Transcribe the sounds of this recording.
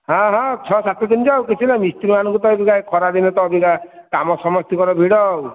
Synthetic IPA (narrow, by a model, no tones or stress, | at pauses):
ɦãɦãt͡ʃʰɔsat̪ɔd̪inɔd͡ʒawkit͡ʃʰinamist̪iɾimanɔŋkut̪ɔebiɡakʰɔɾad̪inɔt̪ɔbikakamɔsɔmɔst̪ikɔɾɔbʱiɽɔw